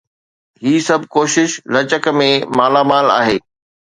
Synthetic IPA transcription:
ɦiːsɐbʱkoːʃɪʃlɐt͡ɕəkmẽmaːlaːmaːla̰ːɦeː

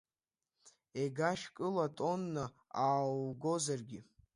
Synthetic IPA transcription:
eɡaʃkʼɨlatʼo̞nːa | aːlɡo̞zarɡʲi

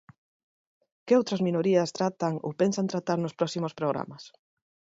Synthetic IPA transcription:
kɪowt̪ɾɐzminoɾiɐst̪ɾat̪aŋo̰pensant̪ɾat̪aɾnʊspɾɔsimʊspɾoɣ̞ɾa̰mɐs

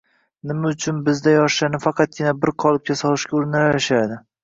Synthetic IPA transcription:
nɪmaʊt͡ʃʰʊnbɪzd̪ajɒʃʃanɪfɑqʰɑt̪̚kʲɪnabɪɾqʰɒlˠɪp̚kʲʰasɒlˠɪʃkʲaʊɾnalaɪʃad̪ɪ

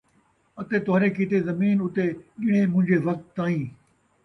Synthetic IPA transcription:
ɐt̪et̪ʊɦaːɾekit̪ezɐmiːnʊt̪eʄɪɽ̃ẽmʊ̃ɦɪ̃ɲd͡ʑeʋɐk̚t̪ːaːĩː

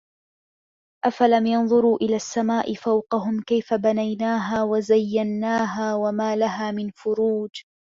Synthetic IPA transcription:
ʔafalamjɑnðˤʊɾuːʔɪlaːsːamaːʔɪfawqɑɦʊmkajfabanajnaːɦaːwazajːanːaːɦaːwamaːlaɦaːmɪnfʊɾuːd͡ʒ

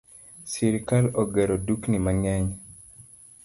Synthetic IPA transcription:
siɾkaloɡeɾoduknimaŋɛɲ

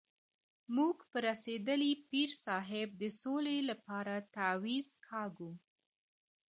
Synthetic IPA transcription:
muɡpəɾased̪əlipiɾsɑɦɪb̚d̪əsolelapɑɾat̪awiz̥kʰɑɡu

